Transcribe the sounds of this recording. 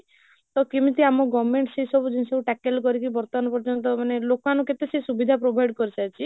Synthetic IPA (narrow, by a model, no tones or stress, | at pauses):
t̪ɔkimit̪iamɔɡɔmeɳʈsejsɔbud͡ʒinisɔbuʈɛkelkɔɾikibɔɾt̪ɔmanɔpɔɾd͡ʒɔnt̪̬ɔmanelokanuket̪esesubid̪ʱapɾobʱajɖkɔɾisajt͡ʃʰi